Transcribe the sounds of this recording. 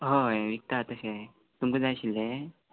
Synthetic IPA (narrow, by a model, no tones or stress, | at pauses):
ɦoeʋik̚t̪at̪əɕe | t̪umkud͡zajɕilːe